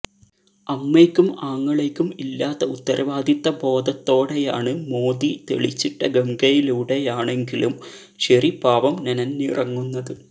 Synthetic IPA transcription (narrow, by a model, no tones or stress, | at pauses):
ɐmːeːkʲːumaːŋːɐɭe̞kʲːumilːaːt̪ːɐut̪ːɐɾʔɐʋaːd̪ʱit̪ːɐbo̞ːd̪ʱɐt̪ːo̞ːɽe̞jaːɳɨmo̞ːd̪it̪e̞̰ɭit͡ɕːiʈːɐɡemɡɐjiluɽe̞jaːɳe̞ŋɡilum | ɕɐripaːʋɐmnɐnɐnnirɐŋːunːɐðɨ